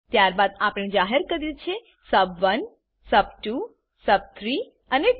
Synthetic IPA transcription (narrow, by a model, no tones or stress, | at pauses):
t̪jaɾbad̪apɽ̃ed͡ʒaɦeɾkəɾjut͡ʃʰe | səbʋən | səbʈu | səb̚t̪ʰɾi | əne